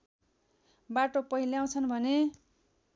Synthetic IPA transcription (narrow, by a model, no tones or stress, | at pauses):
baʈopʌɦiljaw̃t͡sʰʌnbʱʌne